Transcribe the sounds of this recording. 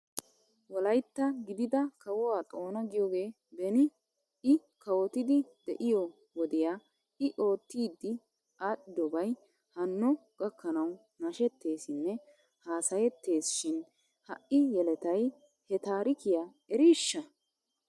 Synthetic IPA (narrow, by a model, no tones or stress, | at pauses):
wɔlɐjt̪ːɐɡɪd̪ɪd̪ɐkʰɐwɔwaːt̪ʼo̞ːnɐɡɪjoːɡe̞ː | bɛnɪ | ɪkɐwɔt̪ɪd̪ɪd̪ɛʔɪjɔ | wɔd̪ɪjaː | ɪʔo̞ːt̪ːiːd̪ːɪ | aːɗɪd̪ɔbɐj | hɐnːɔɡ̥ɐkːɐnɐw | nɐʃɛt̪ːe̞ːsɪnːɛ | haːsɐjɛt̪ːe̞ːsʃɪn | hɐʔːɪjɛlɛt̪ɐj | hɛt̪aːɾɪkɪjaː | ɛɾiːʃːɐ